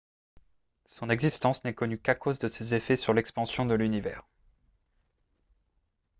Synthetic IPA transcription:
sɔ̃nɛɡzist̪ɑ̃snɛkɔnykakozd̪əsezefɛsyʁlɛkspɑ̃sjɔ̃d̪əlynivɛːʁ

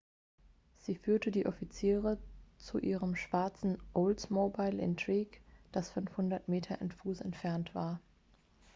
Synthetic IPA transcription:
z̥iːfyːɐtʰədiːʔɔfit͡siːʁət͡suʔḭːʁəmʃv̥aɐt͡sn̩ʔoltmobaɪlʔɪ̰ntʁ̥iːɡd̥asfʏnfhʊndɐtmeːtʰɐʔɛntfuːsɛ̰ntfɛɐntv̥aːɐ

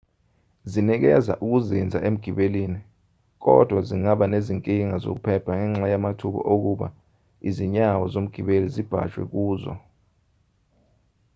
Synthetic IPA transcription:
zinik̬ɛza̰ʔuk̬uzind͡zʱa̰ʔem̩ɡ̥ʱiɓeliːni | k̬ɔ̰d̥ʱwaziŋaɓaneziŋkʼiŋazo̰k̬upʰɛpʰaŋɛŋ͡ǁajamatʰuɓɔ̰ʔok̬uɓa̰ | iziɲawɔzom̩ɡ̥ʱiɓelizib̥ʱa̰t͡ʃʼwɛ̰k̬uːzɔ̰

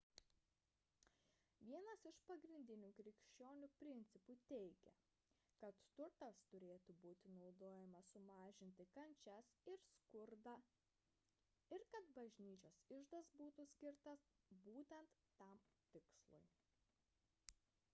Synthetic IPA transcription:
ʋʲiɛnɐsɪʃpɐɡɾʲɪnʲd̪ʲɪnʲuːkɾʲɪkʃʲt͡ʃʲoːnʲupʲɾʲɪnʲt̪sʲɪput̪ʲɛɪɡʲɛ̰ | kɐt̪ːʊɾt̪ɐst̪ʊɾʲeːt̪ʊbuːt̪ʲɪnɒʊd̪oːjɛmɐsʊmɑːʒʲɪnʲt̪ʲɪkɐnʲt͡ʃʲɛsɪɾskʊɾd̪ɑ | ɪɾkɐt̪bɐʒʲnʲiːt͡ʃʲoːsɪʒd̪ɐsbuːt̪usʲkʲɪɾt̪ɐsbuːt̪ʲɛnt̪ːɐmt̪ʲɪkslˠʊ̰j

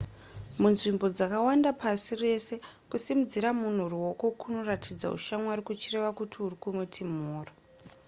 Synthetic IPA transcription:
munʐimbo̞d͡zakawandapasire̞se̞kusimud͡ziɾamun̤uruwo̞ko̞kuno̞ratʰid͡za̰ṵʃamwaɾikut͡ʃire̞ʋakutʰiurikumutʰim̤uːra

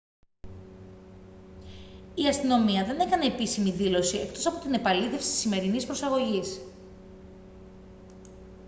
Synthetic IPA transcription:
iɐst̪ino̞miɐðe̞ne̞kɐneepisimiðilo̞sie̞̰kt̪o̞sɐpo̞t̪ine̞pɐliθe̞fsi̥t̪i̥sime̞ɾinispɾo̞sɐɣo̞ʝis

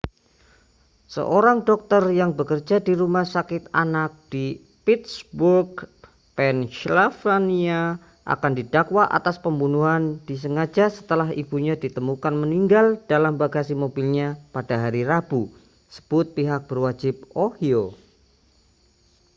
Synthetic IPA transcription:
sə̰ʔoɾaŋdɔk̚t̪ərjaŋbəkərd͡ʒadiɾumahsakɪt̪anak̚d̥i | pit̪̚sburɡ̚ | pɛnʃlafɾania | ʔa̰kandidakwaʔa̰t̪aspəmbunuɦand̥is̬əŋad͡ʒasə̥t̪əlaɦib̥uɲadit̪əmukanməniŋɡald̥alambaɡasimobilɲapadaɦaɾiɾab̥u | sə̥b̥ʊt̪̚piɦak̚b̥ərwad͡ʒɪp̚ohio

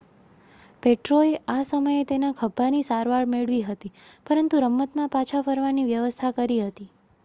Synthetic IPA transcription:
peʈɾoeasəməjet̪enakʰəbʱːanisaɾʋaɭmeɭʋiɦət̪ipəɾənt̪uɾəmːət̪mãpat͡ʃʰafəɾʋaniʋjəʋəst̪ʰakəɾiɦət̪i

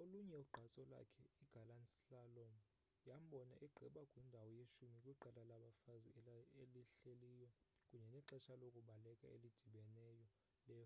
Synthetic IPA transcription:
oluɲɛuɡ͡ǃʱat͡sʼɔla̰kʰɛiɡ̥ʱalanisiɬalɔm | jam̩ɓɔna̰ʔɛɡ͡ǃʱɛɓakʼwindʱawɔjeʃumikʼwuiǃʱalalaɓafazieliɬelijɔkʼuɲɛnɛǁɛʃalokʼuɓalɛkʼa̰ḛlid̥ʱiɓɛnɛjɔ | lɛː

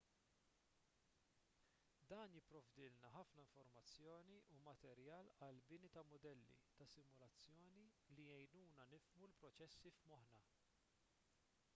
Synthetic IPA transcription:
d̪ɐːnjɪpːɾɔvd̪ɪlnɐħɐfnɐɪɱfɔɾmɐt͡sːjɔːniʔumɐt̪ɛɾjɐːlɐlbɪnit̪ɐmʊd̪ɛlːḭt̪ɐsɪmʊlɐt͡sːjɔːni | lijɛjnuːnɐnɪfmulpɾɔt͡ʃɛsːifmɔħnɐ

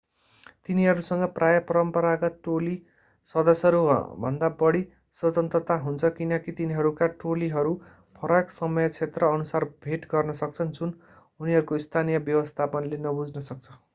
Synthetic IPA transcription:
t̪iniɦʌɾusʌŋɡʌprajʌpʌɾʌmpʌɾakʌʈoli | sʌd̪ʌsʌɾṵbʱʌ̰nd̪abʌɽi | swʌt̪ʌnt̪rʌt̪aɦunt͡sʰʌkinʌkit̪iniɦʌɾukaʈoliɦʌɾu | pʰʌɾʌksʌmʌjʌt͡sʰet̪rʌːnusarbʱeʈɡʌrnʌsʌk̚t͡sʰʌnd͡zun | uniɦʌɾukoist̪ʰanijʌbjʌwʌst̪ʰapʌnlenʌbud͡znʌsʌk̚t͡sʰʌ

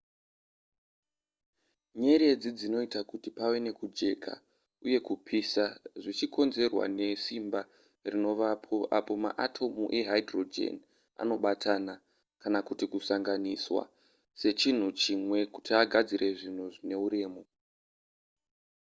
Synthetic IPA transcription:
ɲe̞ɾe̞d͡zid͡zino̞itakutipawe̞ne̞kud͡ʒe̞kʰa̰ | uje̞kupʰisaʐit͡ʃiko̞nze̞rwa̰ne̞simba | rino̞ʋapʰo̞ʔapo̞ma̰ʔatʰo̞muʔe̞ɦaidro̞d͡ʒḛn | a̰no̞ɓatʰana | kanakutikusaŋɡaniswa̰ | se̞t͡ʃin̤ut͡ʃimwe̞kutʰiaɡʱad͡zirʔe̞ʐin̤uʐine̞uɾe̞ːmo̞

